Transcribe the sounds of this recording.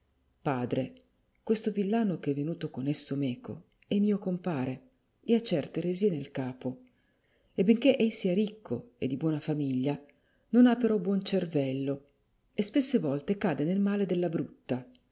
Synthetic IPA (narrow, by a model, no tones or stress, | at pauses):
paːd̪ɾe | kwest̪ovilːaːnokeɛvːenuːt̪okonesːomɛːko̰ | ɛmiːokompaːɾe | eat͡ʃːɛrt̪eɾeziːenelkaːpo | ebeŋkeʔɛjsiːaɾikʰːo̰ḛd̪ːibwɔːnafamiʎːa | nonapːeɾɔbwɔnt͡ʃervɛlːo | espesːevɔlt̪ekaːd̪enelmaːled̪elːabɾut̪ːa